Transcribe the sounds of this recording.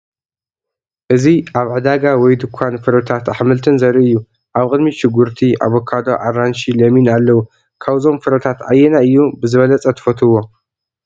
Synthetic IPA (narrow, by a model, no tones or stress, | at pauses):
ʔɨziʔaβʕɨd̪aɡawɔjd̪ɨkʷʰːanfɨɾɐt̪ʰat̪aħmɨlt̪ʰɨnzɐɾiɨjːu | ʔaβkʼɨd̪miʃɪɡːuɾt̪ʰiʔa̰βokʰad̪oʕaɾanʃilɐminalːɐwu | kʰaβzo̞mfɨɾɐt̪ʰat̪ʕajːɛnaʔɨjːubɨzɨβɐlɐt͡sʼɐt̪ʰɨ̥fɐt̪ʰɨwːo̞